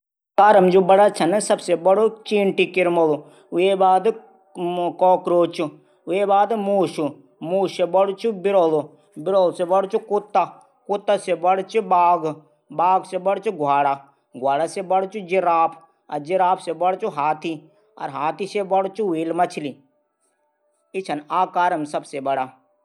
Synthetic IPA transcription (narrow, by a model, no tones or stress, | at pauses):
kaɾəmd͡ʒubɐɽat͡ʃʰɐnsɐbsebɐɽot͡ʃiːɳʈikɪɾmolo | ebaːd̪ | kɔːkɾoːt͡ʃʰu | ʊebaːd̪muːʃu | muːʃebɐɽt͡ʃubɪɾoːlo | bɪɾoːlsebɐɽt͡ʃukut̪ːa | kʊt̪ːasebɐɽt͡ʃubaːɡ | baːɡsebɐɽt͡ʃuɡʱwaːɽa | ɡʱwaːɽasebɐɽt͡ʃud͡ʒiɾaːpʰ | ɐ̰d͡ʒiɾaːpʰsebɐɽt͡ʃuɦaːt̪ʰi | ɐ̰ɾɦaːt̪ʰisebɐɽt͡ʃuweːlmɐt͡ʃʰli | ɪt͡ʃʰɐnaːkaːɾɐmsɐbsebɐɽaː